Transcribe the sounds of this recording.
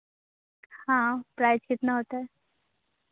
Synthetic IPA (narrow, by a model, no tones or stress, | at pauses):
hãpɾajt͡ɕit̪naɦot̪ə